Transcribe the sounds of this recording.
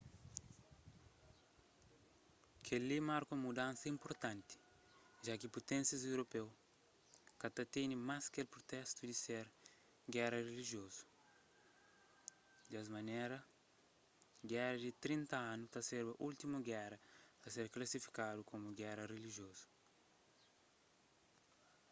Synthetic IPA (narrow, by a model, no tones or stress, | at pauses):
kʰelimaɾkumud̪ãnsɐĩmpoɾt̪ãnt̪i̥ | ʒakipot̪ɛ̃nsjɐzewɾopew | kɐt̪at̪enimaskelpɾot̪ɛst̪ud̪iseɾ | ɡɛɾɐreliʒjozu̥ | d̪ɐzmɐnɛɾɐ | ɡɛɾɐdit̪ɾĩnt̪ɐãnut̪aseɾbɐʔult̪imuɡɛɾɐpɾɐseɾklɐsifi̥kad̪ukomuɡɛɾɐreliʒjozu̥